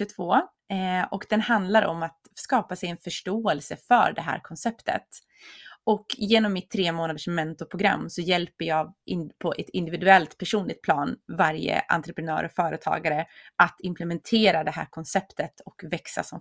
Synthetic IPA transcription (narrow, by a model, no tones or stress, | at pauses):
ɵt̪ʰvoː | ɔkd̪̥ɛnhand̪laɾɔ̰mːat̪skɑːpasɛjɛnfœʂʈoːɛlsəfœ̰ɖɛɦæ̰ːɾkʰɔnsɛpt̪ʰə̰t̪ | ɔkjeːnɔmːɪt̪ʰːɾeːmoːnad̪əʂmːɛnt̪ʊpʰɾʊɡɾa̰mːsɔjɛlpəjɑːɡɪpʰɔʔɛt̪ɪnd̪ɪvɪd̪ɵɛlt̪pʰæʂuːnlɪɡ̚t̪̚pʰlɑːnvaɾjə̰ʔa̰nt̪ɾəpɾɛnœ̰ːɾɔkfœːɾət̪ʰɑ̰ːɡaɾəʔat̪ɪmplɛmɛnt̪ʰeːɾad̪ɛɦæ̰ːɾkʰɔnsɛpt̪ət̪ɔkvɛksa̰sɔm